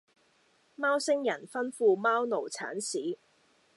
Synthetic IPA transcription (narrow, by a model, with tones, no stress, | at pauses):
maː˥wsɪ˥ŋjɐ˨˩nfɐ˥nfuː˧maː˥wno˨˩wt͡sʰa̰ː˨˥nsiː˨˥